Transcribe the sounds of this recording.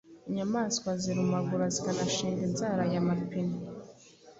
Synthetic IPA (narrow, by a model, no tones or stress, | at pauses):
iɲamaːskwaziɾumaɡuɾazikanaʃiːŋɡinzaɾajamapini